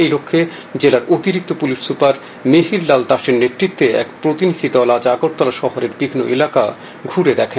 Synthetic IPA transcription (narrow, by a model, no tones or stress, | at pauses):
ejlokʰːe | d͡ʑelaɾot̪iɾik̚t̪opuliʃsupaɾ | meɦiɾlald̪aʃeɾnet̪ɾit̪ːeɛ̰kpɾot̪inid̪ʱid̪ɔlad͡ʑaɡoɾt̪ɔlaʃɔɦoɾeɾbiɡno̰ʔelaka̰ | ɡʱuɾed̪ɛkʰen